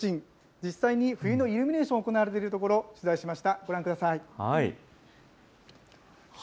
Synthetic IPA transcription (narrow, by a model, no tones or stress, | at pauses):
ɕĩn | d͡ʑisaiɲ̟iɸɯ̟jɯno̞iɾɯ̟mʲine̞ːɕõːoko̞naβaɾe̞t̪e̞iɾɯ̟t̪oko̞ɾo̞ɕɨzaiɕimaɕi̥t̪aɡ̥o̞ɾãŋkɯd̪asaihai